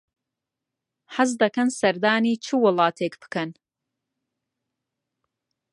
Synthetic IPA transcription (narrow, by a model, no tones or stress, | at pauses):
ħazd̪ɐkɐnsɐɾd̪aːniːt͡ʃʰɨwɨlˠɑːt̪ʰeːkb̥ɨ̥kɐn